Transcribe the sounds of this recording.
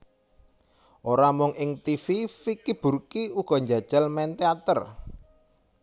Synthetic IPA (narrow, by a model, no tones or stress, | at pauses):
ʔoɾamʊŋʔɪŋt̪ififikib̥urkiuɡ̥ɔ̤ɲd͡ʒad̥ʒ̥a̤lmɛnt̪eat̪ər